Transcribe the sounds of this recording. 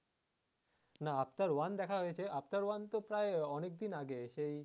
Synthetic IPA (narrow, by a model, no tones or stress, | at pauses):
naap̚t̪aɾwand̪ɛkʰaɦojet͡ɕʰeʔap̚t̪aɾwant̪opɾaeɔnek̚d̪inaɡeʃej